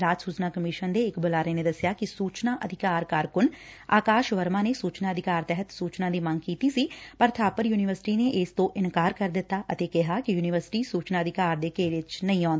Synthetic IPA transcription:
ɾaːt̪suːt͡ʃnaːkəmɪʃənd̪eːɪkbʊlaːɾəeneːd̪əsjaːkɪsuːt͡ʃnaːʔəd̪ʱɪkaːɾkaːɾkʊn | a̰ːkaːʃʋəɾmãːnesuːt͡ʃnaːəd̪ʱɪkaːɾt̪ɛɦət̪suːt͡ʃnãːd̪iːməŋɡkiːt̪iːsiːpəɾt̪ʰaːpəɾjuːnɪʋəɾsɪ̥ʈiːneːʔɪst̪õːʔɪnkaːɾkəɾd̪ɪt̪ːaːʔət̪eːkɪɦaːkɪjuːnɪʋəɾsɪ̥ʈiːsuːt͡ʃnaːəd̪ʱɪkaːɾd̪eːkeːɾɪt͡ʃnəĩːɔ̃ːnd̪

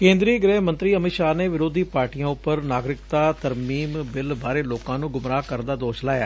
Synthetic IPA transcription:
kẽːnd̪ɾiːɡɾɛːɦmə̃nt̪ɾiːəmɪt̪ʃaːneːʋɪɾoːd̪iːpaːɾʈijãːʊpːəɾnaːɡɾɪkt̪aːt̪əɾmiːmbɪlbaːɾeːloːkãːnũːɡʊmɾaːkəɾd̪aːd̪oːʃlaːja̰ː

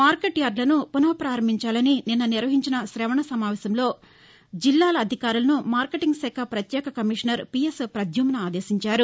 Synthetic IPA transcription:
maːɾkeʈjaːɾlɐnupunɐʋɐpɾaːɾɐmbʱiɲt͡ʃaːlɐnininːɐniɾʋɐɦiɲt͡ʃinɐʃɾɛːʋɐɳɐsɐmaːʋɛːsɐmlo̞ː | d͡ʒilːaːlɐːd̪ʱikaːɾulɐnumaːɾkeʈiŋɡsɛːkʰɐpɾɐt̪jɛːkɐkɐmiʂɐnɐɾpijespɾɐd̪ʱjuːmnɐaːd̪eːsiɲt͡ʃaːɾu

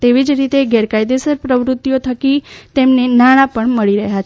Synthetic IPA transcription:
t̪eʋid͡ʒɾit̪eɡɛɾkajd̪esəɾpɾəʋɾʊt̪ːijot̪ʰəkit̪emnenaɽ̃ãpəɳməɭiɾəɦjat͡ʃʰe

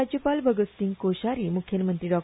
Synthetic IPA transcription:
ad͡ʑjəpalbʱəɡəst̪iŋkoɕaɾiːmukʰjəlmənt̪ɾiɖɔk̚

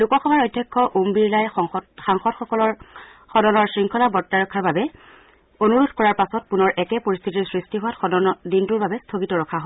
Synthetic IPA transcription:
lukɔxɔbaɹojdʱjakʰːɔʔombiɹlajɔxaŋxɔdxɔkɔlɔxɔdɔnɔɹsɹiŋkʰɔlabɔɹtːaɹɔkʰːaɹbabɛ | onuɹudkɔɹaɹpasɔt̚punɔɹʔɛkɛpoɹist̪ʰitisɹistiɦʊwatxɔdɔnɔdintʊɹbabɛstʰoɡitɔɹɔkʰaɦo

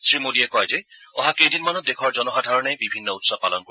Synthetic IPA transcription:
sɹimodiɛkɔjzɛɔɦakejdinmanɔt̚dekʰɔɹzɔnɔɦadʱaɹɔnɛjbibʱinːɔutsɔpalɔnko

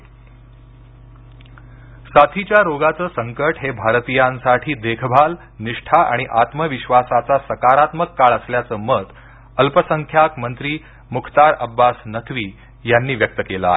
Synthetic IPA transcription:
sat̪ʰit͡ɕjaɾoɡat͡səːsəŋkəʈɦebʱaɾt̪ijãnsaʈʰiːd̪ekʰbʱal | niʂʈʰaʔa̰ɽ̃iʔat̪məʋiɕʋasat͡sasəkaɾat̪məkːaɭəsljat͡səːmət̪ | əlpəsəŋkʰjakmənt̪ɾiː | mukʰt̪aɾə̰bːasnət̪ʰʋiː | janːiːʋjək̚t̪əkeləa̰e

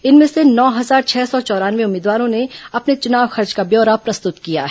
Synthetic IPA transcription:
ɪnmẽsenɔːɦɐzaːɾt͡ʃʰɛːsɔt͡ʃɔːɾaːnʋeʊmːiːd̪ʋaːɾõneɐpnet͡ʃʊnaːʋxɐɾd͡ʒkabjɔːɾapɾɐst̪ʊt̪kija̰ɦɛ

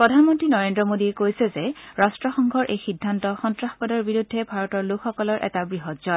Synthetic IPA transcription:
pɹɔdʱanmɔntɹinɔɹendɹɔmodiɛkojsɛzɛɹastɹɔxɔŋɡʱɔɹʔejxidʱːantɔxɔntɹaxpɔdɔɹbiɹudʱːɛbʱaɹɔtɔɹlokxɔkɔlɔɹʔɛ̰tabɹiɦɔtz̥ɔ

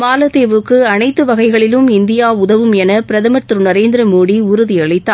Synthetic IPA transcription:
maːlɐt̪eːʋɯkːɯɐnɐɪt̪ːɯʋɐɣɐɪɣɐɭɪlɯmɪnd̪ɪjaːʊðɐʋɯmɛnɐpɪɾɐðɐmɐʈ̪ːɯɾɯnɐɾeːnd̪ɪɾɐmoːɽiʊɾʊðiɐɭɪt̪ːaː

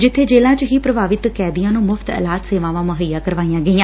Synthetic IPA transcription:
d͡ʒɪt̪ʰːeːd͡ʒeːlãːt͡ʃəɦiːpɾəbaːʋɪt̪kɛːd̪ɪjãːnũːmʊft̪ɛ̰ːlaːt̪seːʋãːʋãːməɦəjaːkəɾʋaːijãːɡəiːãː

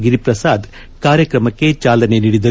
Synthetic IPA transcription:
ɡiɾipɾɐsaːd̪ | kaːɾjɐkɾɐmɐkːe̞t͡ʃaːlɐne̞niːɽid̪ɐ

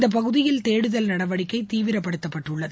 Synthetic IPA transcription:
d̪ɐp̬ɐɣɯðɪjɪlt̪eːɽɯðɐlnɐɽɐʋɐɽɪkːɐɪt̪iːʋɪɾɐpːɐɽɯt̪ːɐpːɐʈrɯɭːɐð

